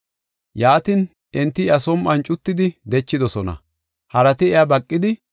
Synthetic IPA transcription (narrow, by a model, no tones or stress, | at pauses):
jaːt̪in | ʔɛnt̪ːɪɐsɔmʔɐnt͡ʃʼʊt̪ːɪd̪ɪd̪ɛt͡ʃːɪd̪ɔsɔnɐ̰ | hɐɾɐt̪ɪɛjabɐkʼːɪd̪ɪ